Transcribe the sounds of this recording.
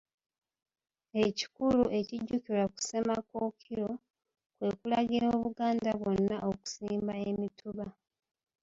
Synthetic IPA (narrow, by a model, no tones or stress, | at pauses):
e̞ci̥kuluʔe̞ciɟːukilaku̥se̞mako̞ːkʰiɾo̞ | kwe̞ːkulaɡiɾo̞ːβuɡaːndaβwo̞nːaʔoku̥siːmbae̞mituβa